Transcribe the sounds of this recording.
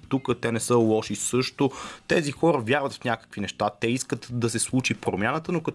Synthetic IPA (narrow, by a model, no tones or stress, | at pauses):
t̪ukət̪ɛnɛsɤlˠɔʃisɤʃt̪ot̪ɛzixɔɾəvjaɾvət̪fnʲakə̥kvinɛʃt̪at̪ɛiskət̪d̪ɐsɛslˠut͡ʃipɾomʲjanət̪ənokɐ